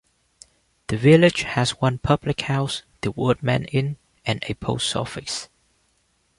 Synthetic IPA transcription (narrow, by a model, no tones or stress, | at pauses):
ð̥əvɪlɪd͡ʒhæzwʌ̃npʰʌblɪkhaʊsð̥əwɜd̚mɛ̰̃nɪ̃n | ʔɛ̃nə̰pʰo̰ssɜ̰fɪs